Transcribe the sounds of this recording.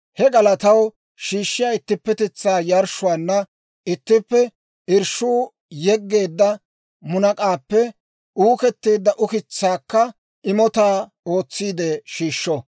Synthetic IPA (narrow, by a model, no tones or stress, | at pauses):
hɛɡɐlɐt̪ɐw | ʃiːʃːɪjaːɪt̪ːɪpːɛt̪ɛt͡sːaːjɐɾʃʊwaːnːɐ | ʔɪt̪ːɪpːɛ | ɪɾʃuː | jɛɡːe̞ːd̪ːɐ | mʊnɐkʼaːpːɛ | ʔuːkɛt̪ːeːd̪ːɐʔʊkɪt͡sːaːkːɐ | ʔɪmɔt̪aː | o̞ːt͡sːiːd̪eʃiːʃːɔ